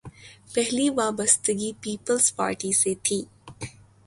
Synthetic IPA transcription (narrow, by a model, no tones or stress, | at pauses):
pɛɦliʋaːbəst̪əɡipiːpəlzpa̰ːɾʈiset̪ʰiː